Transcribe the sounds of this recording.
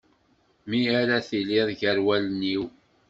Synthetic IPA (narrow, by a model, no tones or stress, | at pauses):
miaɾaθiliðˤʝəɾwælənːiw